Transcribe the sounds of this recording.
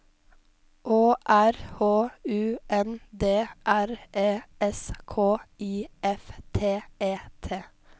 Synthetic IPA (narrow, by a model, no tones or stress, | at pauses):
ʔoːʔæɾhoːʉːʔɛnd̪eːʔæɾʔeːɛskʰoːiːʔɛft̪ʰeːʔeːt̪ʰeː